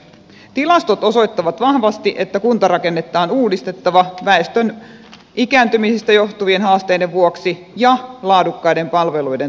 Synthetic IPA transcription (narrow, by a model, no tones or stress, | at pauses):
t̪ilɑst̪ot̪o̞so̞jt̪ːɑʋɑt̪ʋɑhʋɑst̪iʔe̞t̪ːækunt̪ɑɾɑke̞nːe̞t̪ːˑɑːnuːdist̪e̞t̪ːɑʋɑʋæest̪øn | ikæːnt̪ymisist̪æjo̞ht̪uʋie̞nɦɑːst̪e̞jdeʋʋuoksi | jɑlɑːdukːɑjde̞mpɑlʋe̞lujde